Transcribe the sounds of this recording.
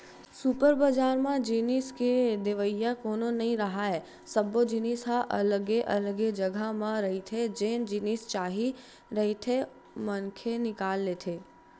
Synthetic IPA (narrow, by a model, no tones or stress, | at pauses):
supəɾbəd͡ʒaːɾmãd͡ʒiːniːsked̪ɪʋəjjakoːnonɐɦĩɾəɦaːe | səbod͡ʒiniːsɦaʔɐləɡeʔɐ̰ləɡed͡ʒəɡʱamãɾɐɦit̪ʰed͡ʒeːnd͡ʒiniːst͡ʃaːɦi | ɾəɦit̪ʰe | mənkʰenɪkaːlːet̪ʰeː